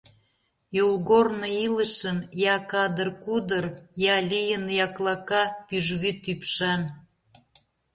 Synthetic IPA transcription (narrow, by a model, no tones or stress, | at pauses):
jolˠɣornoiləʃənjɑkɑd̪ərkud̪ə̆rjɑlʲijənjɑklˠɑkɑpyʒɣyt̪ypʃɑn